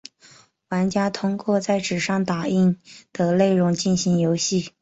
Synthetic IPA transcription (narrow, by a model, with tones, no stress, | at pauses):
wa˧˥nt͡ɕja˥t̪ʰʊ˥ŋkwɔ˥˧t͡sa˥˩ɪʈ͡ʂɻ̩˨˩ʂɑ˥˩ŋt̪a˨˩i˥˩nd̪̥ə˨le˥˩ɪɻʊ˧˥ŋt͡ɕi˥˩nɕi˧˥ŋjo˧˥ʊɕi˥˩